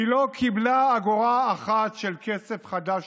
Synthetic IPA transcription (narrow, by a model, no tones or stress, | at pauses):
ilokʰiblaːɡoʁaːχat̪ʃelkese̞fχad̪aʃ